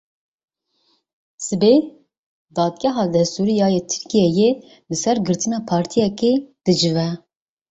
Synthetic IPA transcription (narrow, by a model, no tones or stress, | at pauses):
sɨbe | d̪ɑːd̪̚ɡʲɛɦɑːd̪ɛst̪uɾijɑːjet̪ʰɨ̥ɾkijɛje | lɨsɛɾɡɨɾt̪ʰɨnɑːpʰɑːɾt̪ʰijɛked̪̥ɨd͡ʒɨvɛ